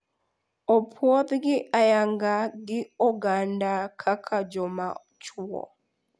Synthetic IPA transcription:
ɔpʰwɔðɡiʔajaŋɡaɡiɔɡandakʰakʰad͡ʒɔma | t͡ʃuɔ̰

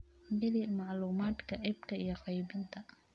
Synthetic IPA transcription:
bɪlɪmɑʕluːmaːd̪kʰɐʔɛb̚kʰɐijɞqɑjbɪnt̪ʰɐ

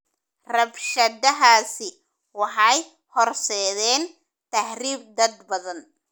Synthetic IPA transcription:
rɐbʃɐd̪ɐɦaːsɪ | wɑħɑj | hɔrsɛːðɛːn | t̪ʰɐhɾiːb̚d̪ɐd̪bɐðɐn

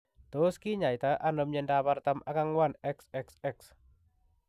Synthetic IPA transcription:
t̪oskiɲait̪aʔanɔmɲɛndapart̪amakaŋwanɛksɛksɛks

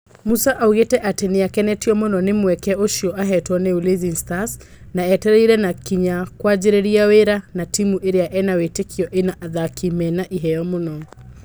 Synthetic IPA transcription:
musaʔauɣetɛʔatɛniakɛnɛtiɔmʊnɔnɪmuwɛkɛoʃiɔʔaɦɛtɔnɛulizinstas | naɛtɛɾɛiɾɛnakiɲakwad͡ʒiɾɛɾiaweɾanatimuʔeɾiaʔɛnawetekʰiɔʔenaʔaðakʰimɛnaʔiɦɛjɔmʊnɔ

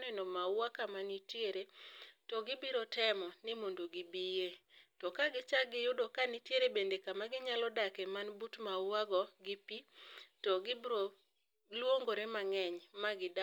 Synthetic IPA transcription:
nɛnomawakamanitjeɾetɔɡɪbɪɾɔtɛmɔnɪmondoɡibijetɔkaɡɪt͡ʃaɡɪjʊdokanitjeɾebendekamaɡɪɲalɔdakemanbutmawaɡɔɡɪpitɔɡɪbɾo | lwoŋɡoɾemaŋɛɲmaɡɪda

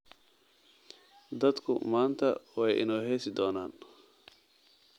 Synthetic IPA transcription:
d̪ɐd̪kʰʊ̰maːnt̪ʰɐ̰wɛjʔɪ̰nɔːɦɛsɪd̪ɔːna̰ːn

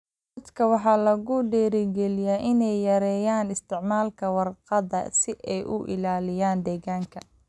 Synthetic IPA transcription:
ɐd̪kʰɐwɑħɑːlɐɣʊɖɛːɾɪɡɛlɪjaːʔɪnɛjːɐɾɛːjaːnɪst̪ʰɪʕmaːlkʰɐwɑrqɑðɐ̰sɪʔɛjʔʊʔɪ̰laːlɪjaːnd̪ɛːɣaːŋkʰɐ

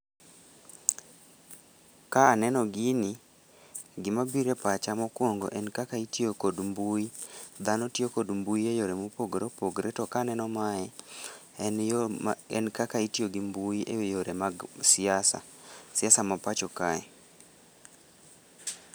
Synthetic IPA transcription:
kaːnɛnɔɡini | ɡɪmabiɾepat͡ʃamɔkwoŋɡo̰ʔɛnkakaitjokodmbuid̪anɔtjokodmbuiejoɾemopoɡɾopoɡɾetɔkanɛnɔmaɛ | ɛ̰nkakaitjoɡimbuiʔejoɾemaɡsɪasa̰ | sɪasamapat͡ʃɔkaɛ

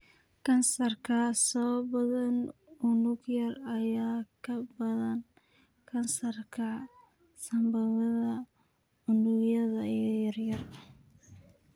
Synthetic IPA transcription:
kʰɐnsɐrkʰɐsɔːbɐðɐnʊnʊɡjɐrɐjaːkʰɐbɐðɐn | kʰɐnsɐrkʰɐ | sɐmbɐðɐðɐ | ʊnʊjɐðɐijɐrjɐr

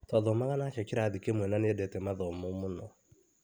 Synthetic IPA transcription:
taðɔmaɣanat͡ʃɛkiɾaðikemwɛnanedɛtɛmaðɔmumunɔ

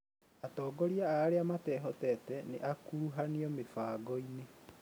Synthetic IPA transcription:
atɔːɡɔɾiaaːɾeamatɛːɦɔtɛːtɛnḛʔakuɾuɦaniɔmefaːɡɔine

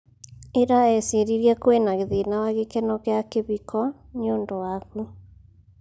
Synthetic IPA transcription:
eɾaɛseɾiɾiɛkwenaɣeðinawaɣekɛnɔɣeakeβikʰɔ | ɲoːndowaɣu

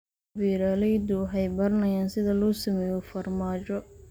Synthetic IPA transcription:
biːɾaːlɛjd̪ʊɦɛjbɐɾɐnɐjaːnsɪðɐlɔːsɐmɛːjɔfɐrmaːt͡ʃɔ

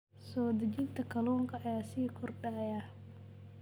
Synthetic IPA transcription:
sɔːd̪ɐt͡ʃɪnt̪ʰɐkʰɐlɔːŋkʰɐʔɐjasiːkʰɔrɖɐja

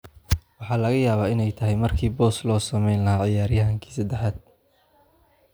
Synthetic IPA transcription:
wɑħɑːlɐɣɐjaːβaːɪnɛjt̪ʰɐɦɛjmɐrkʰiːbɔːslɔːsɐmɛjnlɐɦaːʕɪjaːɾjɐɦɐŋkʰi̥ːsɐd̪ɛħaːd̪̚

